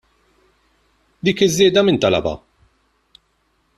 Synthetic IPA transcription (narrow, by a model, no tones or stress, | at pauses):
d̪iːkɪzːɪːd̪ɐmɪnt̪ɐlɐ̰bɐ̰